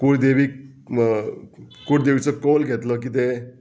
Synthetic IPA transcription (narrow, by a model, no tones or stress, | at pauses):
kuɽd̪eʋi | kuɽd̪eʋit͡səkolɡʱet̪lək̬it̪̬e